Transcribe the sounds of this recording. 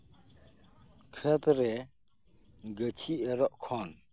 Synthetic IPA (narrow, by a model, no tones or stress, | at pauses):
kʰət̪ɾe | ɡət͡ʃʰiəɾɔʔkʰɔn